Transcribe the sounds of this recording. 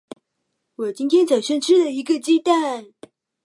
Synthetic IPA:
wɔ˨˩t͡ɕi˥nt̪ʰjɛ˥nt͡sa˨˩ŋɕɥɛ˥˧nʈ͡ʂʰɻ̩˥d̪ə˨i˧˥ɡə˧t͡ɕi˥t̪a˥˩n

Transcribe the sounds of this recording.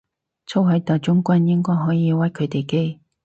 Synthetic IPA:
t͡sʰo˥wɦɐ˨˥jt̪ɔː˨˩jt͡ʃʊ˥ŋkʷɐ˥njɪ˥ŋkɔː˥jɦɔː˨˥jiː˨˧wɐ˨˥jkʰɵ˨˥jt̪e˨jke˥j

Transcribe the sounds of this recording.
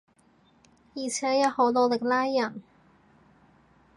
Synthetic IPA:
jiː˨˩t͡sʰɛː˨˥jɐ˥t̚ho˨˥wlɔ˨˧lɪ˨k̚laː˥jːɐ˨˩n

